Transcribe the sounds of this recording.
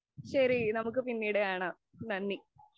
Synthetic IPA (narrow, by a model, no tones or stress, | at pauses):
ɕɐɾinɐmuk̬ːɨpinːiːɽeaːɳɐ | nɐnːi